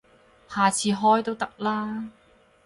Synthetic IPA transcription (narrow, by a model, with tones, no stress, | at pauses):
haː˨˩t͡sʰiː˧ɦɔː˥jt̪o˥wt̪ɐ˥k̚laː˥